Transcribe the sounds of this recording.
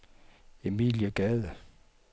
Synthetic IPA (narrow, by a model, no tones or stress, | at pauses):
e̝mḭːljəɡ̥ɛðˠə